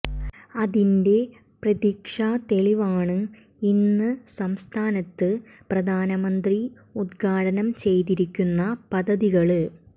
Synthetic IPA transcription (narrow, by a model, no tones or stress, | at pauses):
ɐðinde̞ | prɐðikʂaːt̪e̞ɭiʋaːɳɨ | inːɨsɐmst̪ʰaːnɐt̪ːɨ | prɐd̪ʱaːnɐmɐnd̪ri | ud̪̚ɡʰʱaːɽɐnɐmt͡ɕe̞jt̪iɾikʲːunːɐpɐd̪ʱːɐðiɣɐɭɨ